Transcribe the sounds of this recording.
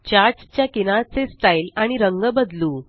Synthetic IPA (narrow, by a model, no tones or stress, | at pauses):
t͡ɕaɾd͡zt͡ɕjakinat͡sesʈailaɽ̃iɾəŋɡəbəd̪lu